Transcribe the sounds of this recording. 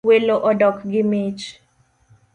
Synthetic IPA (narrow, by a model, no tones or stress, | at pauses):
weloʔɔdɔkɡɪmit͡ʃ